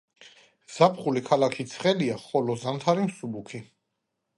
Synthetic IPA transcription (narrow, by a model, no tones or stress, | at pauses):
z̥apʰχulikʰalakʰit̪sʰχɛliaχɔlɔzamt̪ʰaɾimsubukʰi